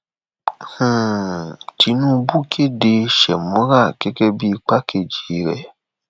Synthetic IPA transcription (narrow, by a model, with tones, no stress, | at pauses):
h̩˦˨ | tʰi˧˦nũ˦bu˦kʰe˦de˧ʃɛ˨mɔ̃˨˦ɾa˦˨kɛ˦kɛ˦bi˦˧k͡pa˦kʰe˧˨d͡ʒi˨ɾɛ̰˨